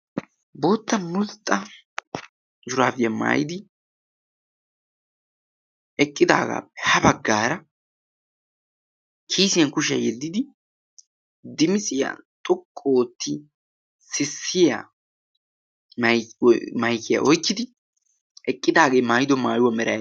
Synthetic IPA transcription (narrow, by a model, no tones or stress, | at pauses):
bo̞ːt̪ːɐmʊlt̪ʼːɐ | d͡ʒʊɾaːfɪjɐma̰ːjɪd̪ɪ | ɛkʼːɪd̪a̰ːɡa̰ːpːɛ̥hɐbɐɡːaːɾɐ | kʰiːsɪjɐnkʊʃɪɐ̰jɛlːɪd̪ɪ | d̪ɪmɪsʼɪja̰t̪ʼɔkʼːoːt̪ːɪ | sɪsːɪja̰ | m | mɐjkːɪja̰ʔɔjkːɪd̪ɪ | ɛkʼːɪd̪aːɡeːmaːjd̪ɔmaːjʊwɐmɛɾɐj